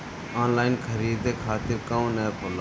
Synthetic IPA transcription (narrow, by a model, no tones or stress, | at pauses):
aːnlaːɪnkʰəɾiːd̪eːkʰaːt̪ɪɾkɐ̃nɛːkʰoloː